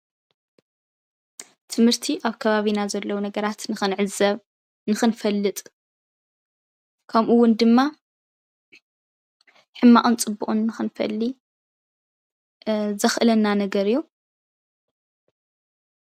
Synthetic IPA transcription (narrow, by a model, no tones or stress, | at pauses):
t̪ʰɨmhɨɾt̪ʰiʔaβkʰɐβaβinazɐlːɐwunɐɡɐɾat̪nɨxɨnʕɨzɐβ | nɨxɨnfɐlːɨt̪ʼ | kʰɐmʔuwːʊnd̪ɨmːa | ħɨmːaʔʼunt͡sʼɨbːuʔʼunːɨxɨnfɐ̰lːi | zɐxʔɨlɐnːanɐɡɐɾijːu